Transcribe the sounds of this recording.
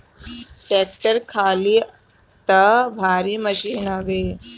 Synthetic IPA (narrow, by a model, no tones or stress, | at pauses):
ʈeːk̚ʈəɾkʰaːliː | t̪ɐbʱaːɾiːməɕiːnaʋeː